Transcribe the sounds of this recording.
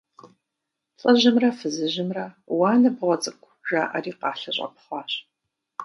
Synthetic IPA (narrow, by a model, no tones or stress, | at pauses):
ɬʼɐʑɪmrɐfɨzɨʑɪmrɐ | wɑːnɐbʁʷɔt͡sʼɨkʷʰʒa̰ːʔɐriːqɑːɬɐɕʼɐ̰pχʷɑːɕ